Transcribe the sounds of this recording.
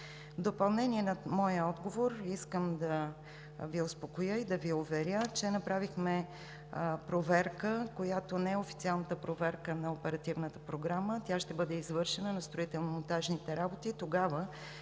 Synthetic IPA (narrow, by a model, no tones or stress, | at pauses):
vd̪opɐlˠnɛniɛnɐmɔjəɔd̪ɡovoɾiskəmd̪ɐ | viʊspokojɤid̪ɐviʊvɛɾʲjət͡ʃɛnɐpɾavixmɛ | pɾovɛɾkəkojat̪onɛɛofit̪sialˠnət̪əpɾovɛɾkənɐopɛɾɐt̪ivnət̪ə̥pɾoɡɾamət̪ʲaʃt̪ɛbɤd̪ɛizvɤɾʃɛnənɐst̪ɾoit̪ɛlˠnomont̪aʒnit̪ɛɾabot̪it̪oɡavə